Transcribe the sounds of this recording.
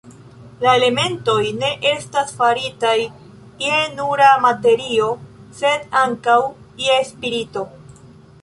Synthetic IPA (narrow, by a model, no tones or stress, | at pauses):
lae̞le̞me̞nto̞jne̞ʔe̞stasfaɾitaj | jenuɾamate̞ɾio̞se̞daŋkaw | jespiɾito̞